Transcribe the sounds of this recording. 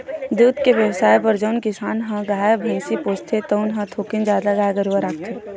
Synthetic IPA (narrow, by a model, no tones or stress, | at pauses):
d̪uːd̪keʋjəwsaːjpəɾd͡ʒənkɪsaːnɦãɡaːjbʱẽːsipoːst̪ʰet̪əʊnɦãt̪ʰoːkɪnd͡ʒaːd̪aɡaːjɡəɾaɾak̚ʰt̪ʰe